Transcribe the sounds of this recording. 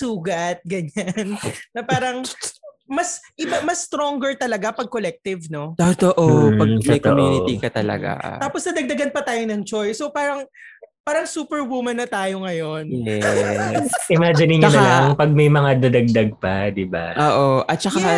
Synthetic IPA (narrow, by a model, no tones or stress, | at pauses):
suːɡɐt̪̚ɡɐɲanːɐpaːɾɐŋ | mɐsʔɪbamɐst̪ɾoŋɡɛɹt̪ɐlɐɡapɐɡ̚kolɛk̚t̪ɪvno̞ot̪oʔoɐɡt̪ɐt̪oʔmjuonɪikɐt̪ɐlɐ̰ɡa̰t̪aːposd̪ɐd̪ɐɡ̚d̪ɐɡɐnpɐt̪aːjonɐŋt͡ʃojsopaːɾɐŋ | paːɾɐŋsuːpɛɹwumɐnːɐt̪aːjo̞ŋɐjo̞njɛ | ʔɪmaːd͡ʒɪnɪɲːonlaŋpɐɡ̚mɐjmɐŋad̪ɐd̪ɐɡ̚d̪ɐɡ̚pɐd̪ɪba̰ʔoːʔoʔɐt̪̚t͡ʃɐka